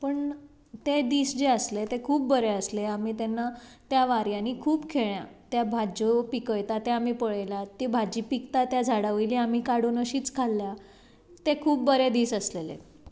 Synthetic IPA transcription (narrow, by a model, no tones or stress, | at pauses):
pəɳ | t̪ed̪iːsd͡ʑeəslet̪ekʰuːp̚bəɾeəsleamiːt̪enːat̪jaʋaɾjaniːkʰuːpkʰeɭja̰t̪jabʱad͡ʑopikəjt̪at̪eam̤iːpəɭjljat̪ibʱad͡ʑiːpikt̪at̪jad͡zʱaɽəʋiliam̤iːkaɽunəɕiːt͡skʰalːja | t̪ekʰuːpbəɾed̪iːsəslelḛ